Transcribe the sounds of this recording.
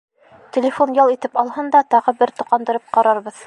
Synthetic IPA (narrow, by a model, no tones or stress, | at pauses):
t̪ʲelʲɪfonjɑlˠit̪ɘpɑlˠhɤnd̪ɑt̪ɑʁɤbɘɾt̪ŭqɑnd̪ɤ̆ɾɤp̚qɑɾɑɾbɤð